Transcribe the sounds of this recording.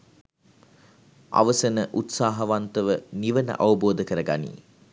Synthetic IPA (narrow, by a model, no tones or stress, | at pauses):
ʔa̰ʋəsənəʔut̪saːɦɐʋant̪əʋəniʋənə̰ʔaʋuboːd̪əkəɾəɡanḭː